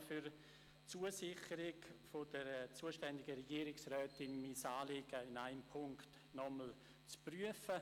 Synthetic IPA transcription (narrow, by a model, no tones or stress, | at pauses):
fyɾ | t͡suːəsɪχəɾɪkfod̥əɾt͡suːəʃtɛndɪɡəɾɛɡiːɾɪksrœːtɪnmiːsaːleɡ̥əɪnaɪmpʰʊŋkt | nɔməl̩ | t͡spryəfə